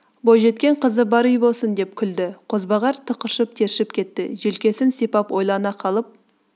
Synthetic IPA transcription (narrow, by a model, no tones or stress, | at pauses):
bojʒe̞t̪kʲe̞ɴqʰəzəbɑɾijbo̞lˠsənd̪e̞p̚kʲʰʏld̪ɪqʰo̞zbɑʁɑɾt̪ʰəqəɾʃəp̚t̪ʰe̞ɾʃɪpkʲʰe̞t̪ːɪʒe̞lkʲe̞sɪnsipɑpwo̞jlˠɑnɑqʰɑlˠəp̚